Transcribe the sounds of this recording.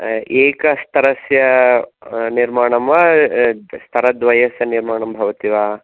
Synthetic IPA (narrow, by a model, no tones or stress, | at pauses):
eːkɐst̪ʰɐɾɐsjɐ | niɾmaːɳɐmʋa | st̪ʰɐɾɐd̪ʋɐjɐsjɐniɾmaːɳɐmbʱɐʋɐt̪iʋaː